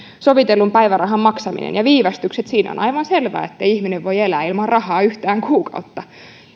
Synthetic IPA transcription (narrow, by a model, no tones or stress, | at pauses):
soʋit̪elːumpæjʋærɑɦɑmːɑksɑmḭnḛnjɑʋiːʋɑst̪ykset̪siːno̰nʔɑjʋɑnselʋæ̰ːet̪ːeiihmineʋʋo̞jelæːilmɑrrɑhɑːyht̪æːŋkuːkɑut̪ːɑ